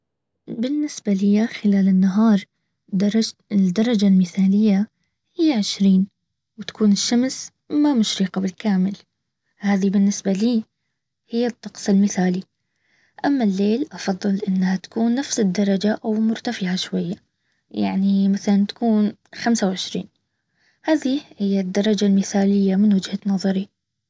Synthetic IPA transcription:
bɪnːɪsbalɪjːaxɪlaːlɪnːaɦɑːɾˤ | ɪd̪ːɑɾˤɑd͡ʒalmɪθaːlɪjːa | hɪjːaʕɪʃɾiːn | wt̪ḁkʰuːnɪʃːams | mamʊʃɾiːqɑbɪlkaːmɪl | haːðibɪnːɪsbaliː | hɪjːat̪ˤːɑqsˤɪlmɪθaːli | ʔamːalːeːlʔɑfɑðˤːɨlʔɪnːhat̪ḁkuːnːafsɪd̪ːɑɾˤɑd͡ʒaʔawmʊɾt̪afɪʕaʃwajːa | ja̰ʕnimaθalant̪ḁkuːnxamsawʕɪʃɾḭːn | haːðihɪjːad̪ːɑɾˤɑd͡ʒalmɪθaːlɪjːamɪnwad͡ʒhanɑðˤɑɾi

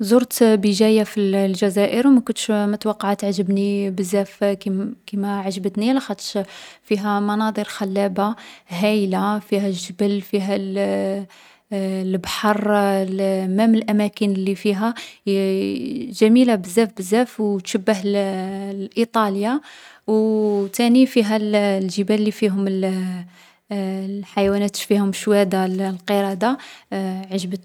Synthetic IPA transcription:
zoɾt̪bəʒæjafillʒæzæʔəɾwmækʊnt̪ʃmæt̪wɑqːɑʕt̪ːʕʒəbnibəzːæfikimæʕaʒəbət̪nilæxæt̪ʃfiɦæmɑnɑd̪ˤəɾxælːæbaɦæjlafiɦælʒəbəlfiɦæl | lbħɑɾˤlmæməlʔæmækənlːifiɦæ | ʒæmilabəzːæfbəzːæfwt̪ʃəbːəɦl | ʔit̪ˤɑljawt̪ænifiɦællʒəbælːifiɦʊml | ħajwænæt̪ʃfihʊmʃwæd̪allqəɾɑd̪a | ʕaʒbət̪

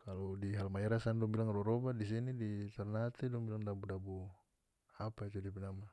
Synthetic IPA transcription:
kalɔdiɦalmaɛɾasandɔŋbilaŋɾɔɾɔbadisinidit̪arnat̪ɛdɔŋbilaŋdabudabu | apait͡ʃudipɛnama

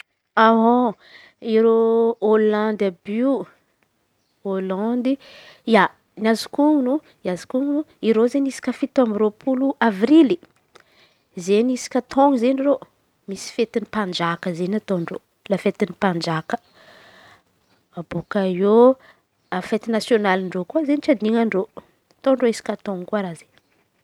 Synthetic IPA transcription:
aɦo | iɾoolãnd̪abi | olãnd̪ija | niazikuŋnu | iazi̥kuŋnuiɾozenisi̥kʲəfit̪amɾopʰuluʔavɾili | zenisi̥kʲat̪ʰoŋizeniro | misi̥fet̪inipand͡ʒakəzenat̪onro̰ | lafet̪inipand͡ʒakə̥ | ab̥ukajo | afet̪inasjonaliɳɖ͡ʐokuazenit͡ʃad̪iŋaɳɖ͡ʐo | t̪oɳɖ͡ʐoisi̥kʲat̪oŋkuaɾaze̥

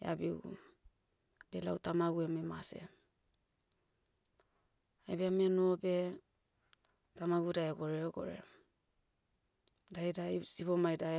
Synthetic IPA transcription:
ḛa̰biɡṵ | bela̰wtamaɡuememase̞̰ | ajbeameanobe̞ | tamaɡudaeɡo̞ɾeoɡo̰ɾḛ | dajdasipomajdae

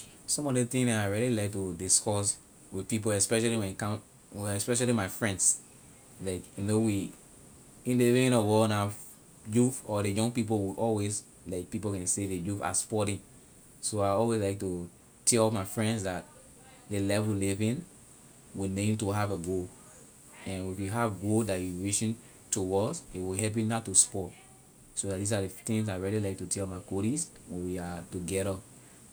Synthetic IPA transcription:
sɔ̃mɔdet̪ĩŋaaɪɹililaɪk̚tudiskɔs | widpip̬oɛspɛʃaliwɛ̃nkã | ɛspɛʃ̬alimaɪfɹɛ̃nds | laɪkjunowi | ĩnlivĩnɔwɔna | jufɔdejɔ̃ŋɡpip̬owiʔɔlwes | laɪk̚pipokɛ̃nsedejufa̰spɔtĩŋ | soaɪɔlwezlaɪk̚tu | tʰɛlɔmaɪfɹɛ̃ndsdat̚ | lelɛvulivĩn | winẽntuɦaveɡo | ɛ̃nifjiɦavɡodatjiɹiʃĩn | tuwɔsewiɦɛp̬jĩnatːuspɔt | sodat̚disadetĩŋsaɪɹililaɪk̚tutʰɛlmaɪkoɾiswɛ̃nwiatuɡɛɾə

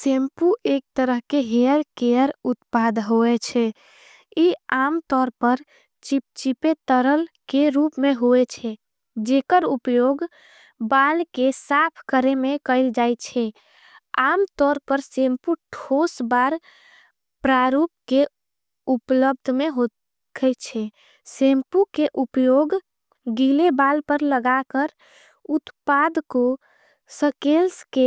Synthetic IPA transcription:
sempuʔek̚t̪əɾəɦkeɦeəɾkeəɾut̪pad̪ʱɦoɛt͡ʃʰɛ | iamt̪ɔɾpəɾ | t͡ʃip̚t͡ʃipet̪əɾəlkeɾupmeɦoet͡ʃʰɛ | d͡ʒekəɾupjoɡ | balkesapʰkəɾemekəɪld͡ʒajt͡ʃʰɛ | amt̪ɔɾpəɾsempuʈʰosbaɾ | pɾaɾup̚ke | upləbd̪ʱmeɦo | kʰət͡ʃʰɛ | sempukeʔupjoɡ | ɡilebalpəɾləɡakəɾ | ut̪pad̪ko | səkelske

